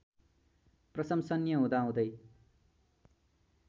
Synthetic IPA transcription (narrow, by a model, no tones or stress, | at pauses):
prʌsʌmsʌnjʌɦũd̪aɦũd̪ʌj